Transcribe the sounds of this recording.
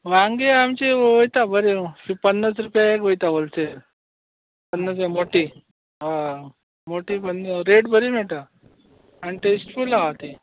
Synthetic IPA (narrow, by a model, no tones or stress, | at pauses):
ʋãŋɡeamt͡ɕeʋojt̪abʱəɾefipənːəsɾupjaekʋojt̪aʋolseɾ | pənːəs̬jmoʈi | a | moʈipənːəɾeɽbʱəɾimɛʈa | aniʈesʈfulaat̪e